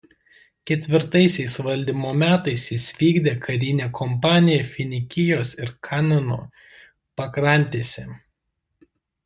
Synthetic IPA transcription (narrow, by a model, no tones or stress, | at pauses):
kʲɛt̪ʲʋʲɪɾt̪ɐɪsʲɛɪsʋɐlʲd̪ʲiːmoːmʲæːt̪ɐɪsɪsʲʋʲiːɡd̪ʲeːkʰɐɾʲɪnʲeːkʰɔmpɑːnʲɪjɛfʲɪnʲɪkʲɪjoːsɪɾkʰɑːnɐno̰ː | pɐkɾɐˑnʲt̪ʲeːsʲɛ